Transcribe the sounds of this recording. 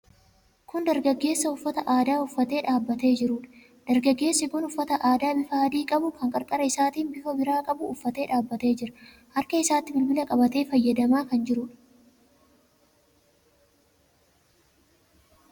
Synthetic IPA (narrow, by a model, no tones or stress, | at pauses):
kʊnd̪ɐɾɡɐɡːe̞ːsːɐʊfːɐt̪ɐʔaːd̪aːʊfːɐt̪e̞ːᶑaːbːɐt̪e̞ːd͡ʒɪɾʊᶑɐ̥ | d̪̥ɐɾɡɐɡːe̞ːsːɪɡɔnʊfːɐt̪ɐʔaːd̪aːbɪfaːɐd̪iːkʼɐbʊkɐŋkʼɐɾkʼɐɾɐɪsaːt̪iːnbɪfɐbɪɾaːkʼɐbʊːfːɐt̪e̞ːᶑaːbːɐt̪e̞ːd͡ʒɪɾɐ̥ | hɐɾkɐɪsaːt̪ːɪbɪlbɪlɐkʼɐbɐt̪e̞ːfɐjːɐd̪ɐmaːkɐnd͡ʒɪɾʊᶑɐ̥